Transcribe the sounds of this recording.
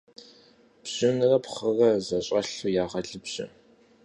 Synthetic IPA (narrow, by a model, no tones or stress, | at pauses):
b̥ʑ̥ʊnɨrɐpχərɐzɐɕʼɐɬujaːʁɐɮɨbʑ̥ɪ̰